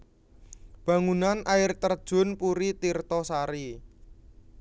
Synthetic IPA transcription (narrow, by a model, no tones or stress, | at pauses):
b̥a̤ŋunanʔaɪrt̪ərd̥ʒ̥ʊ̤npuɾit̪irt̪ɔsaɾi